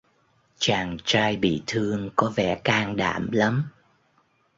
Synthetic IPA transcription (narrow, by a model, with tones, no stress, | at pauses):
t͡ɕaː˨˩ŋt͡ɕaː˧jɓḭ˧˨t̪ʰɨ˧əŋkɔ˨˦vɛ̰˧˩kaː˧ŋɗa̰ː˧˩mla˨˦m